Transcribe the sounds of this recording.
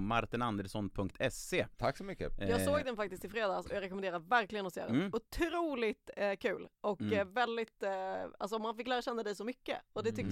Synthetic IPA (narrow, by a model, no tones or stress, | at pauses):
maɾt̪ɪnand̪ɛlsɔnpʰɵŋkt̪ʰɛseːt̪ʰaksɔmʏkːə̰jɑːɡsoːɡd̪ɛnfak̚t̪ɪskt̪ɪlfɾeːd̪ɑːsɔ̰jɑːɡɾɛkɔmɛnd̪eːɾad̪əvæɾklɪɡənɔsḛːad̪ʊt̪ʰɾuːlɪt̪kʰʉ̟ːlʔɔkvɛld̪ɪt̪a̰ls̬ɔɔmːanfɪkːlæːɾaɕɛnːad̪ɛjsɔmʏkːə̰ɔd̪ɛt̪ʰʏk̪̚